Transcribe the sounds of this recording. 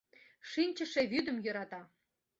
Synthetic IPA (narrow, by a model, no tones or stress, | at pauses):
ʃinʲt͡ɕə̆ʃeβyd̪əmjɤ̆ɾɑt̪ɑ